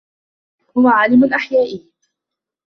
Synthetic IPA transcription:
hʊwaʕaːlɪmʊnʔaħjaːʔi

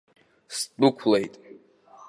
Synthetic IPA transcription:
stʼukʷʰlejtʼ

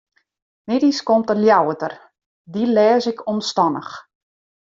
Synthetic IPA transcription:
mɪdiskomtərljawətər | dilɛːzɪkʰɔnstɔnə̰x

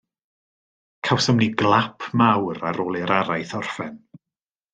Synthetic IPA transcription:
kʰawsəmniɡlˠapʰmawɾaɾoːlˠiɾaɾajθɔr̥fɛn

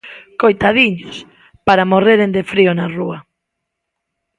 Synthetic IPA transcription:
kojt̪aðiɲos | paɾamoreɾend̪efɾionarua

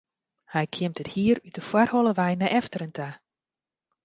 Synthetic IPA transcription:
hɛjkʰɪəmtəthiəɾytəfwarholˠəʋɛjnɛʔɛftəɾəntʰa

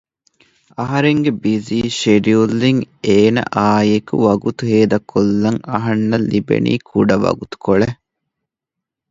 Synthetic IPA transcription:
ɐɦɐɾeŋɡebiziːʃeɖiulːiŋeːnɐ̰ʔaːjekṵʋɐɡut̪uɦeːd̪ɐkʰːolːɐŋɐɦɐnːɐlːibḛnḭːkʰuɖɐʋɐ̰ɡut̪u̥koɭe

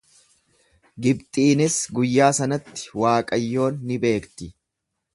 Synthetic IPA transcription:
ɡɪb̚t̪ʼiːnɪsɡʊjːaːsɐnɐt̪ːɪ̥waːkʼɐjːo̞ːnːɪbe̞ːkt̪ɪ

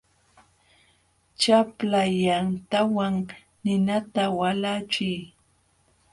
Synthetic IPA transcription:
t͡ʃaplajant̪awaŋ | nɪnat̪awalat͡ʃɪj

